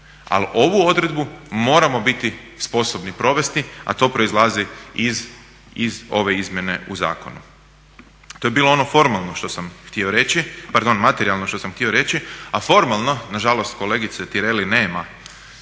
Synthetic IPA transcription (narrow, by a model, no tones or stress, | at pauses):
a̰lʔo̞ʋuo̞d̪ɾe̞d̪bumo̞ːɾamo̞bit̪i | spo̞so̞bnipɾo̞ʋe̞st̪ia̰t̪o̞ːpɾo̞izlˠaziiz | izo̞ʋe̞izmʲje̞ne̞uza̰ːkonṵ | t̪ojebiːlo̞o̞no̞fo̞ɾmalˠnoʃt̪o̞samxt̪io̞ɾet͡ɕipaɾd̪o̞nmat̪eɾialˠno̞ʃt̪osamxt̪io̞ɾe̞t͡ɕiafo̞ɾmalˠno̞naʒalo̞st̪ko̞le̞ːɡit̪set̪iɾe̞line̞ːma